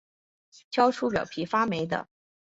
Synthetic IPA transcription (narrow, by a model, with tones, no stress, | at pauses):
t͡ɕʰjɑ˥ʊʈ͡ʂʰu˥pjɑ˨˩pʰi˧˥fa˥me˧˥ɪd̪ə̰˧